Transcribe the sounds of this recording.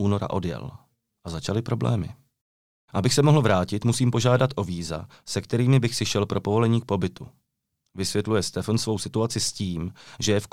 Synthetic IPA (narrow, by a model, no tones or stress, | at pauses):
ʔuːno̞ɾa̰ʔo̞djɛ̰l | ʔazat͡ʃalɪpɾo̞blɛ̰ːmɪ̰ | ʔabɪxsɛmo̞ɦl̩vɾaːcɪt̪musiːmpo̞ʒaːdat̪ʔo̞viːza̰ | sɛkt̪ɛɾiːmɪbɪxsɪʃɛlpɾʔo̞po̞vo̞lɛɲiːk̚po̞bɪt̪u | vɪsvjɛt̪lujɛst̪ɛfonsvo̞wsɪt̪uat͡sɪsciːmʒɛjɛf